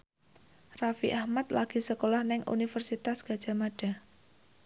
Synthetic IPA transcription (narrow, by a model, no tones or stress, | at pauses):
rafḭʔahmat̪laɡ̥i̤səkolahnɪŋʔṵnifərsit̪asɡ̥a̤d̥ʒ̥a̤maɖ̥a̤